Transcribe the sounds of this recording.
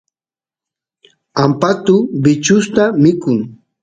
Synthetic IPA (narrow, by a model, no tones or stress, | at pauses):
ampat̪ʊbɪt͡ʃʊst̪amɪkʊŋ